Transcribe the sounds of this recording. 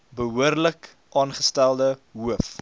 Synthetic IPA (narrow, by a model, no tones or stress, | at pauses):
bəɦuərlək | ʔɑːnχəstælˠdəɦuəf